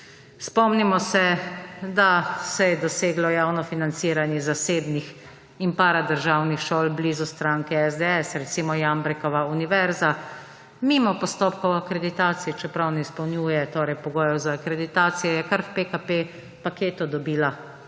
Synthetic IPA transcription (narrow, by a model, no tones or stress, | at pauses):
spɔmnimɔsɛd̪asɛjɛd̪ɔseːɡlɔjaːwnɔfinant̪siːɾanjɛzaseːbnix | impaɾad̪əɾʒaːwnixʃoːlblizust̪ɾaːŋkɛɛzd̪ɛɛsɾɛt̪simɔjambɾɛkɔʋauniʋɛɾza | mimɔpɔst̪oːpkɔwakɾɛd̪it̪aːt̪siit͡ʃɛpɾawnɛispɐwnjuːjɛt̪oːɾɛjpɔɡoːjɛwzaːkɾɛd̪it̪aːt̪sijɛjɛkaɾwpekape | pakeːt̪ud̪ɔbiːla